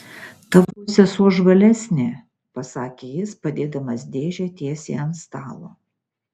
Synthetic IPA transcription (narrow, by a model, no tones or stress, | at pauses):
t̪ɐʋuːsʲɛsuɔʒʋɐlʲɛsʲnʲe | pɐsɑːkʲeːjɪspɐd̪ʲeːd̪ɐmɐsd̪ʲeːʒʲɛt̪ʲiɛsʲḛɛnst̪ɑːlˠo̰ː